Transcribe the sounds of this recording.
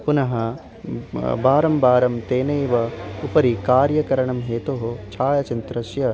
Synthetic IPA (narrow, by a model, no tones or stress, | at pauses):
punɐɦɐ | baːɾɐmbaːɾɐmt̪eːnɐjʋɐupɐɾikaːɾjɐkɐɾɐɳɐmɦeːt̪oɦot͡ʃʰaːjɐt͡ʃɐnt̪ɾɐʃjɐ